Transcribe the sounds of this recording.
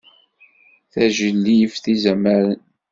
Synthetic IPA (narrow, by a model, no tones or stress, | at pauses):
θæʒəlːijəfθizæmæɾən